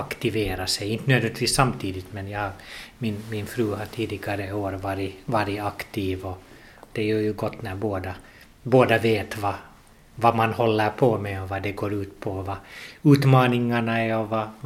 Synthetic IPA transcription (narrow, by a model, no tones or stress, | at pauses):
akt̪ɪveːɾasɛjɪnt̪ənøːd̪vɛnt̪ʰʋiːsːamːt̪ʰiːd̪ɪt̪mɛnjahaɾmɪnmɪnfɾʉːɦaʈʰiːd̪ɪɡaɾəoːɾvɑːɾɪvɑːɾɪakt̪ʰiːvɔ | d̪̥ɛæɾjœjɵɡɔt̪ːnæɾboːd̪a | boːd̪aveːt̪vɑ | vamanhɔlːəɾpʰɔmɛɔvɑd̪ɛɡoːɾʉ̟ːt̪pʰɔvɑʉːt̪mɑːnɪŋaɳaɛɔva